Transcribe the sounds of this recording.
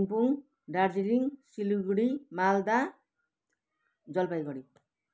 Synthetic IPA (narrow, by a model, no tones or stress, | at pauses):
mpuŋ | ɖaɾd͡ʒiɾiŋsiluɡɽimald̪a | d͡zʌlpajɡʌɽi